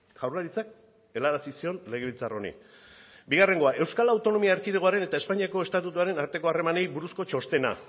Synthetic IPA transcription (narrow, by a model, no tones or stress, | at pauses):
ʝawrlaɾit͡sak | e̞laɾasisio̞nle̞ɣ̞e̞βilt͡saro̞nḭ | biɣare̞ŋɡo̞aʔe̞wskalawt̪o̞no̞miaeɾkiðeɣoaɾe̞ne̞t̪aespaɲiako̞e̞st̪at̪ut̪uaɾe̞naɾt̪e̞ko̞are̞mane̞jbuɾusko̞t͡ʃo̞st̪e̞na̰